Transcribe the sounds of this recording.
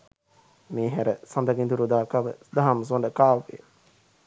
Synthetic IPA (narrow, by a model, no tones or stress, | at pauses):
meːɦæɾəsand̪aɡind̪uɾud̪aːkaʋəd̪aɦams̬onɖəkaːʋe